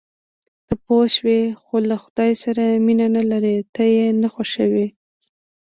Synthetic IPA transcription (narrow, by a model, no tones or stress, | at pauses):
t̪apoʃwexolaxʊd̪ɑjsaɾaminanalaɾet̪ajenaxoʃəwi